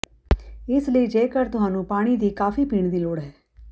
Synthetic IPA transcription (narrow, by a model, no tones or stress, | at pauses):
ɪsləiːd͡ʒeːkəɾt̪ʊɦaːnũːpaːɽ̃id̪iːkaːfʰiːpiːɳd̪iːloːɽɦɛː